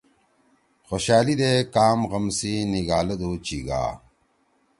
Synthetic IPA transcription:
xoɕaːlid̪eːkaːmɣɐmsiniɡaːlɐd̪oːt͡ɕiɡa̰ː

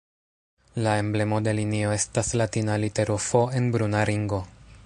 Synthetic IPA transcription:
lae̞mble̞mo̞de̞linio̞e̞staslatinalite̞ɾufo̞e̞nbɾunaɾiŋɡo̞

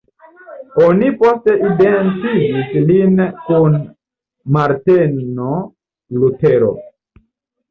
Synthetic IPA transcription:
o̞nipo̞ste̞ʔidentid͡ʒislinkun | maɾteno | luteɾo̰

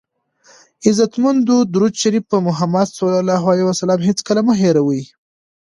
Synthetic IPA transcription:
ɪzat̪mund̪ud̪uɾud̪ʃaɾifpəmʊɦamad̪sulalɑɦalewasalɑmɦet͡skəlaməɦeɾawəji

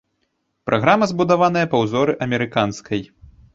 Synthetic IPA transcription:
pɾʔaɣɾamɐzbud̪avan̪ɐjɐpɐwzɔɾɨʔɐmʲɛɾɨkanskʰɐj

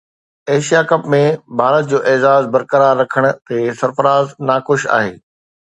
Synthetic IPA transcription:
eːʃijakɐpmẽbʱaːɾət̪̚d͡ʑoːʔeːzaːzbɐɾkəɾaːɾːɐkʰəɽ̃ʊ̆t̪esɐɾfəɾaːznaːxʊʃa̰ːɦḛː

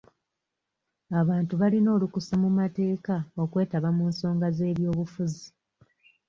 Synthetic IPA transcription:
aβaːntuβalino̞ːlukusamumate̞ːkao̞kwe̞ːtaβamuːnso̞ːŋɡaze̞ːβjo̞ːβufuzi

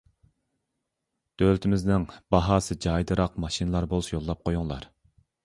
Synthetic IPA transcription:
d̪̥ølt̪ʰɪmɪznɪŋbɑɦɑːsɨd͡ʒɑjd̪ɨɾɑqmɑʃinɨlˠɑɾbolˠusjolˠːɑp̚qʰojuŋlˠɑ̰ɾ

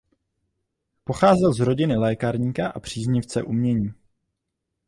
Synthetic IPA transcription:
po̞xaːzɛlzɾo̞ɟɪnɪlɛːkaɾɲiːkaʔapr̝̥iːzɲɪft͡sɛ̰ʔumɲɛɲiː

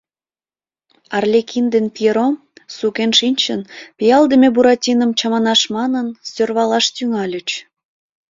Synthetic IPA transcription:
ɑrlʲekʰind̪enpʲieɾom | sukenʃinʲt͡ɕənpʲijɑlˠd̪əmʲebuɾɑtʲinəmt͡ɕɑmɑnɑʃmɑnənsʲørβɑlɑʃt̪yŋɑlʲət͡ɕ

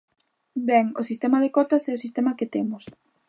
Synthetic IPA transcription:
bɛŋʊsist̪ɛmɐðekɔt̪ɐsɛʊsist̪ɛmɐkɪt̪emʊs

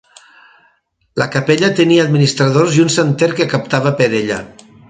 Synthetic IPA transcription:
ləkapeʎət̪əniaːd̪minist̪ɾaðoziunsent̪eɾkekap̚t̪aβ̞əpəɾeʎə̰

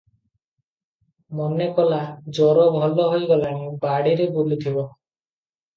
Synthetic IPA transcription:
mɔnekɔlad͡ʒɔɾɔbʱɔlɔɦojɡɔlaɽ̃ibaɽiɾebulit̪ʰibɔ

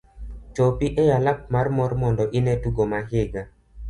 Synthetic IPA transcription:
t͡ʃɔpiʔɛjalak̚marmɔrmɔndɔʔɪnɛtuɡomaɦeɡa

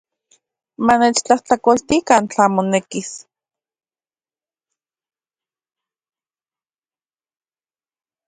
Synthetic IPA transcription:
maneːt͡ʃt͡ɬaht͡ɬakolt̪ikant͡ɬaːmonekis

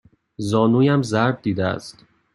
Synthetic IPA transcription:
zɒːnuːjæmzæɾb̚d̪iːd̪eæ̰st̪

